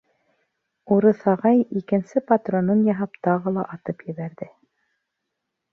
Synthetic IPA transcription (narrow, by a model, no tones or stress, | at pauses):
uɾɤθɑʁɑjikɘ̆nsɘpat̪ronɤnjɑɦɑpt̪ɑʁɤlˠɑ̰ʔɑt̪ɤpjɘ̆βæɾðɘ